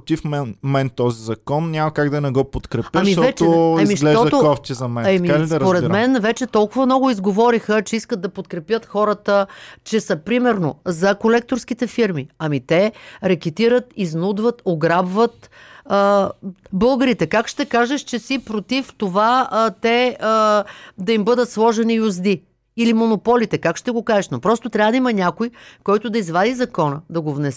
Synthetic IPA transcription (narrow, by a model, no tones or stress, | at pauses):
pt̪ifmɛnmɛnt̪ɔzizɐkɔnnʲamɐkaɡd̪ɐnɛɡɔpot̪kɾɛpʲɐmiɔvɛtt͡ʃɛɐmiʃɡlɛɔd̪ɐoɔft̪izɐmɛnɛmisɐpoɾɛt̪mɛnvɛt͡ʃɛt̪ɔlˠkʊvɐmnɔɡʊizɡovɔɾixət͡ʃɛiskəd̪̚d̪ɐpot̪̚kɾɛpjət̪xɔɾət̪ət͡ʃɛsɐpɾimɛɾnozɐkolɛk̚t̪oɾsk̟it̪ɛfiɾmiɐmit̪ɛɾɐk̟it̪iɾət̪iznud̪vət̪oɡɾabvət̪ə | bɤlˠɡəɾit̪ɛkakʃt̪ɛkaʒɛʃt͡ʃɛsipɾot̪ift̪ovat̪ɛəd̪ɐimbɤd̪ət̪slˠɔʒɛniuzd̪i | ilimonopɔlit̪ɛkakʃt̪ɛɡokaʒɛʃnopɾɔst̪ot̪ɾʲavəd̪ɐimɐnʲakoikɔjt̪ʊd̪ɐizvad̪izɐkɔnəd̪ɐɡovnɛs